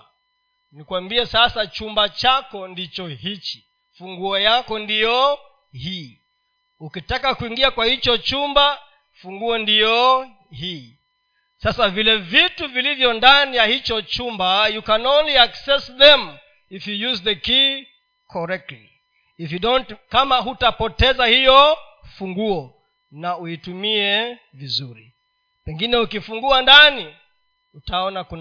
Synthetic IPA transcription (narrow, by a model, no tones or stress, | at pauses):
nikwambiɛsasat͡ʃumbat͡ʃakɔndit͡ʃɔhit͡ʃi̥ | fuŋɡuɔjakɔndijɔ | hi | ukitakakuiŋɡiakwahit͡ʃɔt͡ʃumba | fuŋɡuɔndijɔ | hiː | sasavilɛvituvilivjɔndanijahit͡ʃɔt͡ʃumbajukanɔnliaksɛsðɛm | ifjujuzðəki | kʰɔɾɛk̚tlḭː | fjudɔntkamaɦutapɔtɛzahijɔfuŋɡuɔ | nauitumiɛ | vizuɾi | pɛŋɡinɛukifuŋɡuandani | utaɔnakun